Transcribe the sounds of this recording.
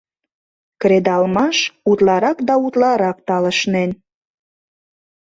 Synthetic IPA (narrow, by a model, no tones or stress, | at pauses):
kɾed̪ɑlmɑʃut̪lɑɾɑkd̪ɑut̪lɑɾɑk̚t̪ɑlə̆ʃnen